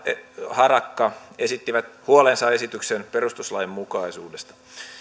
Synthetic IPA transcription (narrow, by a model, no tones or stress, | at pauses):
hɑrɑkːɑe̞sit̪ːiʋæt̪huolensɑesit̪yksenperust̪uslɑjemmukɑisuːdest̪ɑ̥